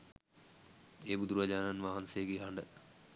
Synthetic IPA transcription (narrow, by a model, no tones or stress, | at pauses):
eːbud̪uɾuʋad͡ʒaːnanʋaɦansejəɡiɦaɳɖə